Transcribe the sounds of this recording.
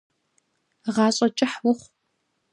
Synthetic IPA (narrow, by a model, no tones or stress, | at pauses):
ʁɑːɕʼɐt͡ʃʼɪħwʊχʷ